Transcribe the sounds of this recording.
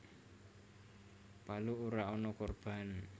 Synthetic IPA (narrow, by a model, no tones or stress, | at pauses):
paluuɾaɔnɔkorb̥a̤n